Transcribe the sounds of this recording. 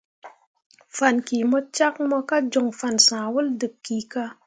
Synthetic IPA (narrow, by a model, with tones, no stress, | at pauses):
fa˨nki˨mɔ˦t͡ʃa˦k̚mɔ˧ka˦d͡ʒo˨ŋfa˨nsã˨wu˦ldɨ˨kkːi˨ka˧